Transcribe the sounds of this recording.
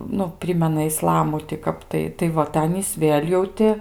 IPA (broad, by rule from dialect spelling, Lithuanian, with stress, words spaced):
ˈnʊ ˈpʲrʲɪmʲɛnɐ ɪˈslˠɑːmʊ tʲɪ ˈkɐp tɐɪ tɐɪ ˈʋɐ tɐɪ ˈɑːnʲiːs ˈʋʲeːlʲ jɛʊ ˈtʲɪ